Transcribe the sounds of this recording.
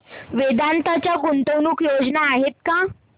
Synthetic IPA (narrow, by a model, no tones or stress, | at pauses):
ʋed̪ant̪at͡ɕjaɡunt̪ownuːkjod͡znaːɦet̪̚kã